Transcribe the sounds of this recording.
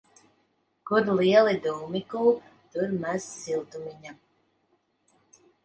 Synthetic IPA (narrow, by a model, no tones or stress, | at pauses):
kud̪liɛlˠid̪uːmikuːpt̪uɾmæzsilˠt̪umiɲa